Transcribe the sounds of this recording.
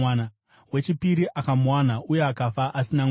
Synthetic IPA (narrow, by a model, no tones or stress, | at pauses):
na | we̞t͡ʃipiɾiʔakamuwanaujeakafaʔasina